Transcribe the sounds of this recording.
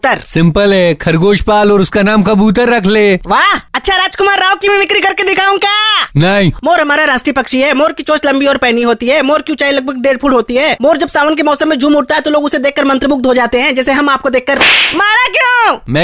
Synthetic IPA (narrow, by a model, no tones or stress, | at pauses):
t̪əɾsɪ̃mpəlɦɛkʰɐɾɡoːʃpaːlɔːɾʊskanaːmkabuːt̪̬əɾːɐkʰleːʋaːɦɐtːʃʰaɾaːd͡ʒkʊmaːɾːaːokimɛ̃ʋɪkɾikɐɾked̪ɪkʰaːũkaːnɐɦĩmoːɾɦɐmaːɾaɾaːsʈɾipɐkʃiɦɛːmoːɾkit͡ʃoːt͡ʃlɐ̃mbiɔːɾpɛːniɦoːt̪iɦɛːmoːɾkjũt͡ʃaːilɐɡ̚bʱəɡ̚ɖeːɖ̚pʰʊʈɦoːt̪iɦɛːmoːɾd͡ʒɐbsaːʋənk̬emɔːsəmːẽd͡ʒʱuːmʊʈ̚t̪aɦɛt̪oloːɡʊsed̪eːkːəɾmɐ̃nt̪ɾəbʊk̚d̪ʱoːd͡ʒaːt̪eɦɛ̃d͡ʒɛːseɦɐmaːp̚kod̪eːkːəɾmaːɾakjõːmɛ̃